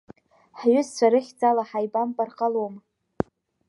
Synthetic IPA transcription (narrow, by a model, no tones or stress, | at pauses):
ħɥʏzt͡ɕʷʰaɾɨχʲd͡zʼalaħajbampʼarqʼalom